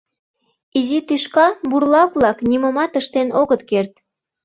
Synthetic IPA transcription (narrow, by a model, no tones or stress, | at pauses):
izit̪yʃkɑburlɑkβlɑkniməmɑt̪əʃt̪enoɣət̪kert̪̚